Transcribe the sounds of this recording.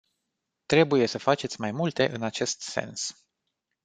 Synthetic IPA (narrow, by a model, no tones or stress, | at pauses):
t̪ɾe̞buje̞səfat͡ʃe̞t̪sʲmajmult̪e̞ʔɨnat͡ʃe̞st̪se̞̰ns